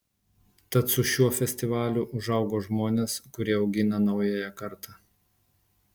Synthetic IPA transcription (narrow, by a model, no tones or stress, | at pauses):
t̪ɐt̪sʊʃʲuɔfʲɛsʲt̪ʲɪʋɑːlʲʊʔʊʒɐʊɡoːʒmoːnʲeːskʊɾʲiɛɒʊɡʲɪnɐnɐʊjæjɛkɐɾt̪ɑː